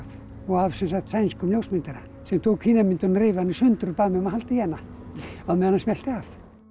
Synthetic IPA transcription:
θ | ɔɣavsɛns̬axt̪sajnskʏmljowsmɪnt̪aɾa | sɛmt̪ʰoːkhiːnamɪnt̪ʏnɾɪːvanːɪsʏnt̪ʏɾʏpaːmɛmahalt̪ɪjɛnːa | aðmɛðanːasmjɛlt̪ɪaf

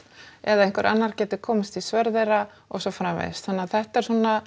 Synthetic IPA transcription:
ɛðaðẽnŋkvɛɾʔa̰nːaɾ̥cɛːt̪ʏkʰɔːmast̪ʰisvœɾðejɾa | ɔɣsɔfɾavḛjðst̪hanːaðθɛht̪aɛɾ̥sɔna

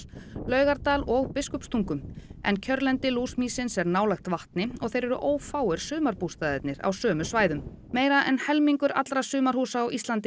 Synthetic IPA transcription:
lœːɥɣaɾt̪aːlɔɣpɪskʏpst̪ʰuŋkʏmɛ̰ncʰœɾlɛnt̪ɪluːsmiːsɪnsɛɾnaːwlajxt̪vaht̪nɪɔɣθejɾɛɾʏ̰ʔoːwfaːwʏɾ̥sʏːmaɾpust̪aðɛt̪nɪɾa̰wsœːmʏsvaːjðʏmː | eːjɾaʔɛ̰nhɛlmiŋkʏɾa̰t̪ɾasʏːmaɾ̥huːsaːwʔist̪lant̪ɪ

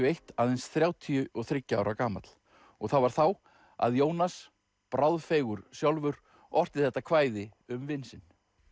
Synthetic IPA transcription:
ʏejht̪aːðejnsθɾjaːwt̪ʰijʏʔɔθɾɪcːa̰ːwɾʔakaːmat̪l̥ | ɔɣθawvaɾ̥θaw | a̰ðjoːwnas | pɾawðfejɣʏɾ̥sjawlvʏɾ | ɔr̥t̪ɪðθɛht̪ːakʰvaːjðɪʏmvɪnsɪn

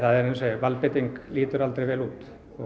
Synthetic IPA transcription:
θaðɛɾɛnsɛʋalpɪt̪ɪŋkliːt̪ʏɾald̪ɾɪʋeːluːt̪ | ɔ

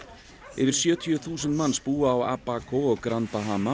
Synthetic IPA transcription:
ɪ̰vɪɾ̥sjœːt̪ʰjʏθuːsʏnt̪manːspuːaːwa̰pːaːkʰɔɔɣkɾant̪aɦaːma

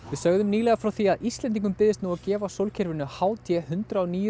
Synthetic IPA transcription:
vɪðsœɣðʏmniːlɛɣafɾawθiaðʔist̪lɛnt̪iŋkʏmpɪðɪst̪nuːacɛːvasowlcʰɛɾvɪnʏhaːwt̪ʰjɛhʏntt̪ɾaɔniːjʏ

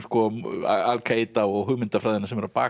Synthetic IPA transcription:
skɔa̰alkʰeːjt̪aɔɣɦʏɣmɪnt̪afɾaðɛnasɛmɛɾapa̰ː

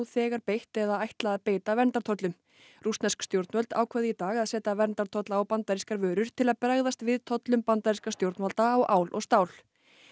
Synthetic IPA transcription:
θɛːɣaɾpejht̪ɛðaajht̪laːðpeːjt̪avɛnt̪aɾt̪ʰɔt̪lʏm | rust̪nɛskst̪jowɾt̪nvœlt̪aːwkʰvœðɪit̪aːɣaðsɛːt̪avɛnt̪aɾt̪ʰɔt̪laːwpant̪aɾiskaɾvœːɾʏɾ̥t̪ʰɪlaðpɾaɣðast̪vɪðt̪ʰɔt̪lʏmpant̪aɾiskast̪jowɾt̪malt̪aːwʔaːwlʔɔ̰ɣst̪aːwl̥

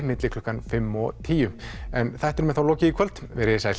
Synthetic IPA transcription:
mɪt̪lɪkʰlɔːkːanfɪmːɔt̪ʰiːjʏɛnθajht̪ɛɾmɛðθawlɔːcɪikʰœlt̪vɛɾɪsajl̥

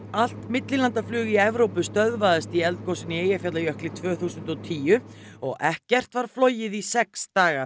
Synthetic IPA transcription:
al̥t̪mɪt̪lɪlant̪aflʏːɣiɛvɾowpʏst̪œðvaðɪst̪iɛlt̪̚kʰɔwsɪnieːjafjat̪lajœhklɪt̪ʰvœːθuːsʏnt̪ɔt̪ʰiːʏɔɣɛhcɛr̥t̪vaɾ̥flɔːwjɪðisɛkst̪aːɣaɾ

